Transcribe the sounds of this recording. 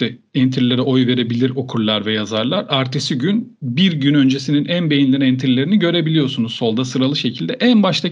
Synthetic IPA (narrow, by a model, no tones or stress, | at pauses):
ɛɛnt̪ʰɾilʲe̞ɾɛʔo̞jve̞ɾe̞bilʲiɾo̞kʰuɾlˠaɾvɛjazaɾlˠaɾaɾt̪ʰesiɟynbiɾɟynø̞nd͡ʒesininʔænbe̞jinlʲinɛnt̪ʰiɾilʲe̞ɾiniɟø̞ɾe̞bilʲijoɾsunuzso̞lˠd̪asɯɾalˠɯʃe̞cʰilʲd̪ɛʔænbaʃt̪ʰˠa